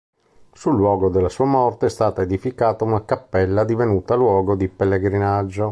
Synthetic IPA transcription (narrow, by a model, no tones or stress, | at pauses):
sulːwɔːɡod̪elːasuːamɔrt̪eɛst̪aːt̪aed̪ifikaːt̪aunakapːɛlːad̪ivenuːt̪alwɔːɡod̪ipelːeɡɾinad͡ʒːo